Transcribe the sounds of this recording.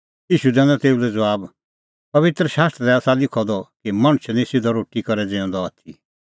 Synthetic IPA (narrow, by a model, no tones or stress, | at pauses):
iːʃud̪ɛ̃ːnɔt̪eːulɛd͡zɐʋaːb | pɐʋɪt̪ɾəʃaːst̪ɾəɛaːsalɪkʰɔd̪ɔkimɐɽ̃t͡ʃʰnĩsɪd̪ɔɾoːʈikɐɾɛd͡zẽːɔ̃nd̪ɔat̪ʰi